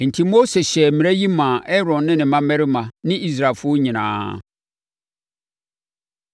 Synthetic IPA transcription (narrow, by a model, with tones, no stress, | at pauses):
n̩˨tʰi˦mo˦se˨ɕɛ˨m̩˨mĩ˨ɾæ˦ji˦mã˨ʔɛ˦ɾɔ̃˨nːɪ̃˦nɪ̃˨mã˦mɛ˦ɾɪ˦mã˨nɪ̃˦ʔi˦s̬ɾa˨lfʊ˦o˦ɲĩ˨nã̰ː˦